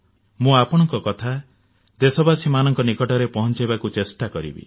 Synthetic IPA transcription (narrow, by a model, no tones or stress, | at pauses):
mũapɔɽ̃ɔŋkɔkɔt̪ʰa | d̪esɔbasimanɔŋkɔnikɔʈɔɾepɔɦɔnt͡ʃajbakut͡ʃesʈakɔɾḭbḭ